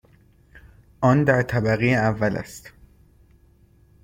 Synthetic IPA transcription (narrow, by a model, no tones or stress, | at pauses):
ʔɒːnd̪æɾt̪ʰæbæɣijeævːælæ̰st̪